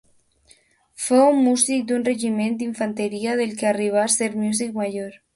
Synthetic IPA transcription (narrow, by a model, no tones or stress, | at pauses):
foumːusik̚d̪unreʒimend̪iɱfant̪eɾiaðelkeariβ̞aseɾmjuz̬ik̚maʒoɾ